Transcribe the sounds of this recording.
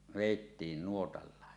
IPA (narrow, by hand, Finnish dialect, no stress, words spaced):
ʋeˑitːiːn nuotɑlːɑˑe